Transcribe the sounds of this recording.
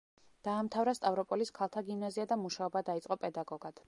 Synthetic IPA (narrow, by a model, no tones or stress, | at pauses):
d̪̥aːmt̪ʰavɾast̪ʼavɾɔpʼɔliskʰalˠt̪ʰaɡimnaziad̪amuʃaɔbad̪ait̪sʼqʼɔpʼɛd̪aɡɔɡad̪̥